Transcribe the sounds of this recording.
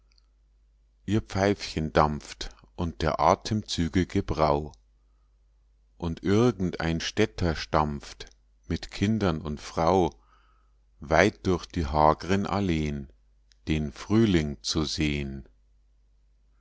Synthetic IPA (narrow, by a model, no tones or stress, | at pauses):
ʔiːɐp͡faɪfçəndamft | ʔʊnt̚d̥eːɐʔaːtʰəmt͡syːɡəɡəbʁaʊ | ʔʊntʔɪʁɡŋ̩tʔa̰ɪnʃtɛtʰɐʃtamp͡ft | mɪtkʰɪndɐnʊntfʁ̥aʊ | vaɪt̚d̥ʊɐçd̥iːɦaːɡəʁənʔa̰leːən | d̥eːnfʁ̥yːlɪŋt͡suzeːən